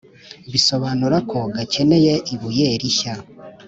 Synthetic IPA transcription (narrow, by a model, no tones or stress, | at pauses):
βiso̞βaːnuɾakʰo̞ɡace̞ne̞je̞ʔiβuje̞ɾiça